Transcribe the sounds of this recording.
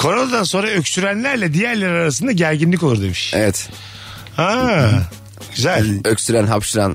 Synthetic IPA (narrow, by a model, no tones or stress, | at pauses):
kʰo̞ɾonad̪anso̞nɾaøcsyɾænlʲæɾlʲɛd̪ijæɾlʲeɾaɾas̬ɯnd̪aɟæɾɟinlʲikouɾd̪e̞miʃḛvɛt̪ | ha | ɟ̥yzælʲøcsyɾænɦapʃɯɾa̰n